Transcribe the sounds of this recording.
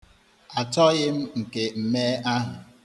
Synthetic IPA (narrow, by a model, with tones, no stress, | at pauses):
a˨tɔ˦ɣɪ˦m̩˦ŋ̩˨ke˨m̩˦me˦a˦ɦʊ˨